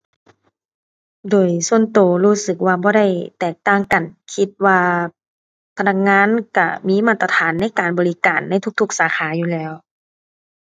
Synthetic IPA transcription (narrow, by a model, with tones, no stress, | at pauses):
doː˨˩jsu˧˨ənt̪oː˨˩luː˧˥sɯ˨˧˩k̚waː˧bɔː˧˦ɾa˥˩jt̪ɛː˨˩k̚t̪aː˧˩ŋka˨˩nkʰi˧t̪̚waː˧ | pʰa˧na˧˥k̚ŋaː˧˥˨nka˧˩miː˧˥˨maː˧˩t̪a˧t̪ʰaː˨˦nːa˧˥˨jkaː˨nbɔː˨li˦˥kaː˨˩nːa˧˥˨jt̪ʰu˧˥k̚t̪ʰu˧˥k̚saː˨˦kʰaː˨˦juː˧˨lɛː˧˥˨w